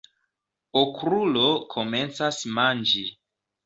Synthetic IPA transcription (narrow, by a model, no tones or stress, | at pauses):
okɾulo̞kʰo̞me̞nt͡sasmand͡ʒi